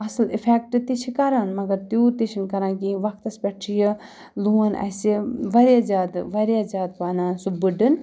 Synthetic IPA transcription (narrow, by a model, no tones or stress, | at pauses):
ɐslifʰek̚ʈɨt̪it͡ʃʰikɐɾɐnmɐɡɐɾt̪juːt̪it͡ʃʰinkɐɾãːkiʋɐk̚ʰt̪ɐspʲɛʈʰijɐ | luɐnʔɐ̰siʋɐɾjad͡ʒaːd̪ʋɐɾjad͡ʒaːd̪̚paːnãːsubɨɖɨn